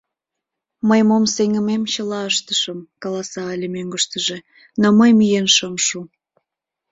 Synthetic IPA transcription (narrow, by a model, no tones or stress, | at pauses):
məjmomseŋə̆memt͡ɕəlɑəʃt̪əʃəmkɑlɑsɑːlʲemøŋɡəʃt̪əʒe | noməjmijenʃəmʃu